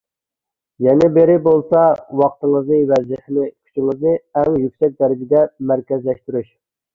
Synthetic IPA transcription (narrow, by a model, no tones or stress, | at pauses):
jɛnɪbeɾɪbolˠsɑwɑq̚t̪əŋəznɨwɛzɪhɪnɪkʲʰy̥t͡ʃʰiŋɨznɨɛŋjykʲsɛk̚ʲd̪ɛɾɪd͡ʒɪd̪ɛmæɾkʲɛzlɛʃt̪yɾyʃ